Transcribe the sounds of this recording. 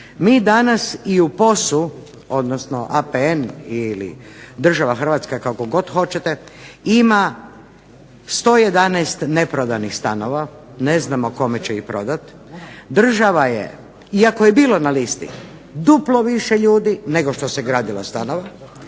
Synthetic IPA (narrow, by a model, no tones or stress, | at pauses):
miːd̪anasiupo̞su | o̞d̪nosno̞ʔapeenilḭ | d̪r̩ʒaʋaxr̩ʋat̪skakako̞ɡo̞t̪xo̞t͡ɕet̪eima | st̪o̞ːje̞d̪anɛst̪ne̞pɾod̪anixst̪ano̞ʋa | ne̞znamoko̞met͡ɕeipɾo̞d̪at̪ | d̪r̩ʒaʋajḛ | iakojebiːlˠo̞nalist̪ḭ | d̪uplˠo̞ʋiʃeʎuːd̪ine̞ɡo̞ʃt̪o̞seɡɾaːd̪ilˠa̰st̪ano̞ʋa